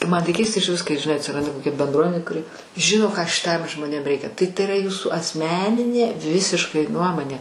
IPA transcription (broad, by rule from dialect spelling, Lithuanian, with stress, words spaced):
ˈmɐn tɐɪ ˈkʲɛɪstɐ ɪʃʲˈʋʲɪs kɐɪ ʒʲɪˈnɐɪ ɐtʲsʲɪˈrɐndɐ koːˈkʲɛ bʲɛnˈdruɔmʲɛnʲeː kʊˈrʲɪ ˈʒʲɪnoː kɑː ʃʲɪˈtɐm ʒmoːˈnʲeːm ˈrʲɛɪkʲɛ tɐɪ tɐɪ iːˈrɐ ˈjuːsuː ɐsʲˈmʲæːnʲɪnʲeː ˈʋʲɪsʲɪʃkɐɪ ˈnuɔmoːnʲeː